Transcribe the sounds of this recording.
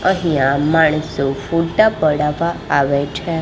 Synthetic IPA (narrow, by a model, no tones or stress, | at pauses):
əɦijãmaɳ̃əsofuʈapəɽaʋaːʋet͡ʃʰe